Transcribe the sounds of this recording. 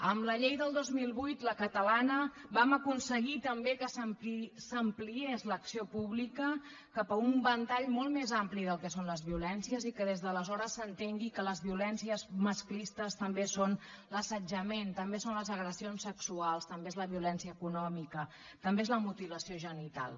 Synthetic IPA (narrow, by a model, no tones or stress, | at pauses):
əmləʎejðəlˠd̪ozmilˠβujt̪ləkət̪əlanəbaməkunsəɣit̪əmbekəsəmpsəmpliezləksiopuβlikə | kəpəumbənt̪aʎmolˠt̪mezampliðəlˠkɛsonləzβiulɛnsiəzikəðezðələzɔɾəsːənt̪eŋɡikələzβiulɛnsiəzməsklist̪əst̪əmbeson | ləsəd͡ʒəment̪əmbesonləzəɣɾəsionsəksualˠst̪əmbeːzləβiulɛnsiəːkunɔmikə | t̪əmbeezləmut̪iləsioʒənit̪a̰lˠ